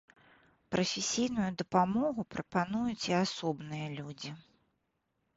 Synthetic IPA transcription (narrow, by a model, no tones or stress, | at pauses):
pɾɐfʲɪsʲijn̪ujud̪ɐpamɔɣupɾɐpanujut͡sʲiasɔbnɨjɐlʲud͡zʲi